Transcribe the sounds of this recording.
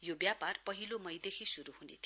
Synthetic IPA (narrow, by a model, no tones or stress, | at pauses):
jobjaparpʌɦilomʌjd̪ekʰisuɾuɦunḛt̪ʰ